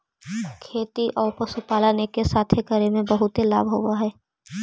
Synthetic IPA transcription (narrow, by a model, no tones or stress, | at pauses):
kʰeːt̪iʔɔːɾpɐsupaːlaːnekesaːt̪ʰekəɾemẽbɐɦʊt̪ɦelaːbɦoːaɦɛː